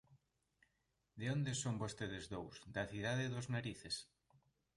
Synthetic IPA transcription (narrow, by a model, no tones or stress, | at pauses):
d̪eond̪esombost̪eð̞ezðowsd̪aθiðaðeðoznaɾiθes